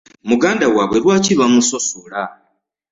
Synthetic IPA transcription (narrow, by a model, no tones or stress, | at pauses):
muɡaːndawaβwe̞ɾwaːciβamuso̞sula